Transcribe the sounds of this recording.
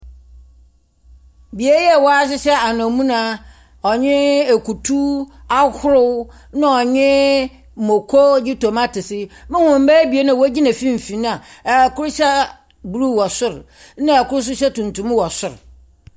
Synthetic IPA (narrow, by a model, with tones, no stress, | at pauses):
bi˨e˦jɛ˦˨wɔ˦a˦s̬ɪ˦ɕɛ˦a˨nã˨mũ˦nãː˦ | ɔ˨ɲɪ̃˦e˨ku˨tʰu˦a˦hʰʊ˦ɾʊ˦w | nã˦ɔ˨ɲɪ̃˦˨ | mo˨kʰo˦d͡ʑɪ˦to˨ma˦tʰɪ˨sɪ˦mɪ̃˦hʊ̃˨m̩˦bæ˦bi˨e˦nã˦˨wæ˦d͡ʑi˦nã˨fĩ˦m̩˨fĩ˨ñ˦a˨kʊ˦ɾʊ˦ɕɛ˦ | bu˨ɾu˦˨wɔ˨sʊ˦ɾ | nã˦a˨kʊ˦ɾʊ˦s̬ʊ˦ɕɛ˦tʰũ˨n˨tʰũ˦m˦wɔ˨sʊ˦ɾ